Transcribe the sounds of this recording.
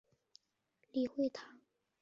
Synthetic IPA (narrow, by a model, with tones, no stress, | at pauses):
li˨˩xwe˥˩ɪt̪ʰɑ˧˥˦ŋ